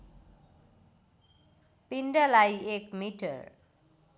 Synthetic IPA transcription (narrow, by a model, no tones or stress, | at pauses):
pinɖʌlajekmiʈʌ̰r